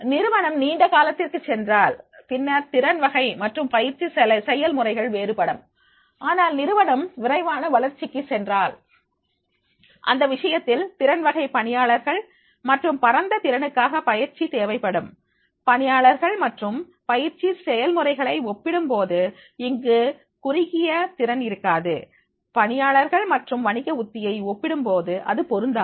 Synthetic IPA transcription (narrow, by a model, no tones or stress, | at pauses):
nɪɾɯʋɐɳɐmniːɳɖɐkaːlɐt̪ːɪrkɯt͡ʃːɛndraːlp̪ɪnːɐɾt̪ɪɾɐnʋɐɣɐɪmɐʈrɯmpɐjɪɾt͡ʃːisɛlɐsɛjɐlmɯrɐɪɣɐɭʋeːɾɯpɐɽɯm | ʔaːnaːlnɪɾɯʋɐɳɐmʋɪrɐɪʋaːnɐʋɐlɐɾt͡ʃɪkːɯsɛndraːl | ʔɐ̰nd̪ɐʋɪʂɐjɐt̪ːɪlt̪ɪɾɐnʋɐɣɐɪpɐɳɪjaːɭɐɾɣɐɭ | mɐʈrɯmpɐɾɐnd̪ɐt̪ɪɾɐnɯkːaːɣɐpɐjɪɾt͡ʃit̪eːʋɐɪpːɐɽɯm | pɐɳɪjaːɭɐɾɣɐɭmɐʈrɯm | pɐjɪɾt͡ʃːisɛjɐlmɯrɐɪɣɐɭɐɪɔpːɪɽɯmpoːðɯɪŋɡɯ | kʊrɪɣɪjɐt̪ɪɾɐnɪɾɯkːaːðɯ | pɐɳɪjaːɭɐɾɣɐɭmɐʈrɯmʋɐɳɪɣɐʊt̪ːɪjɐɪɔpːɪɽɯmpoːðɯʔɐ̰ðɯpɔɾɯnd̪aː